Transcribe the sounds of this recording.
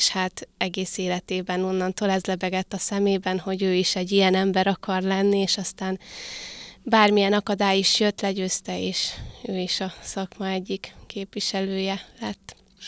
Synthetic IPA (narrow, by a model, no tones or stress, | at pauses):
ʃhaːt̪ɛɡeːseːlɛt̪eːbɛno̞nːɒnt̪oːlɛzlɛbɛɡɛt̪ːɒsɛmeːbɛnho̞ɟøːiʃɛɟːijɛnɛmbɛɾɒkʰɒrlɛnːieːʃɒst̪aːn | baːrmijɛnɒkɒd̪aːjiʃjøt̪lɛɟøːst̪ɛeːʃøːiʃɒsɒkmɒɛɟːikkeːpʋiʃɛløːjɛlɛt̪ː